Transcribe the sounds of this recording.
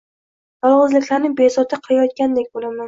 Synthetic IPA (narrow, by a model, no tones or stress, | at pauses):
j̪ɒlˠʁɨzlɪkʲlaɾnɪbesɒt̪ʰɪqʰɨjajɒt̪̚kʲand̪ekʲbolaman